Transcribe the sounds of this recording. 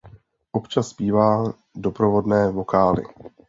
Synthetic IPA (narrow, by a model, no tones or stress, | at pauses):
ʔo̞pt͡ʃasːpiːvaː | do̞pɾovo̞dnɛːvo̞kaːlɪ̰